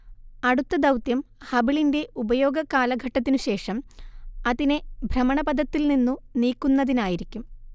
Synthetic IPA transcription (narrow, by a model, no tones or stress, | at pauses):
ɐɽut̪ːɐd̪ɐwt̪jɐmhɐbiɭinde̞ubɐjo̞ːɡɐkaːlɐɡʱɐʈːɐt̪̬ːinuɕe̞ːʂɐmɐðinebʱrɐmɐɳɐbɐd̪ʱɐt̪ːilninːuniːkːunːɐðinaːjiɾikʲːum